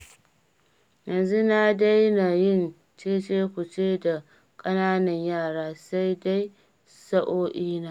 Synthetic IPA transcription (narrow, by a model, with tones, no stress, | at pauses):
jɐ˨nzu˦na˦da˦jna˨jɪ˦˨n | t͡ʃeː˦t͡ʃeː˦kʷʊ˨t͡ʃeː˦da˨ | kʼɐ˦naː˦nɐ˨ɲjaː˦˨ɽaː˦sa˦jda˦j | sɐ˦ʔoː˦ʔiː˦naː˦